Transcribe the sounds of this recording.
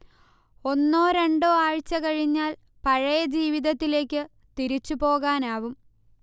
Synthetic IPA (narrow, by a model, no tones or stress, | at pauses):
o̞nːoːɾe̞ɳɖoːaːɻt͡ɕːɐkɐɻiɲːaːl | pɐɻɐjɐd͡ʑiːʋiðɐt̪ːile̞ːkʲːɨ | t̪iɾit͡ɕːupo̞ːɣaːnaːʋum